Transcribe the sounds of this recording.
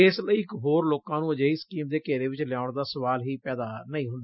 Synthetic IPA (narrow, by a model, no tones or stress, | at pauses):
ɪsləiːɪkɦoːɾloːkãːnũːəd͡ʒaːiːskiːmd̪eːkeːɾeːʋɪt͡ʃlɪjaːʊɳd̪aːsəʋaːlɦiːpɛːd̪aːnəĩːɦʊ̃nd̪aː